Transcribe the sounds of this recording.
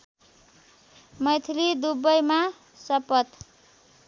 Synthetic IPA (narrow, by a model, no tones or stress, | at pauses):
mʌjt̪ʰilid̪ubʌjma | sʌpʌt̪